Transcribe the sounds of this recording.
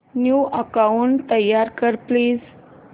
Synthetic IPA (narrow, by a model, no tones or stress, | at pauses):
njuʔəkauɳt̪ːəjːaɾkəɾpliːz